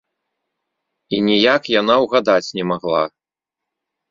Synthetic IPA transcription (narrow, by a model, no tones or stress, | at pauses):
inʲijakjanawɣad̪at͡sʲnʲɛmaɣlˠa̰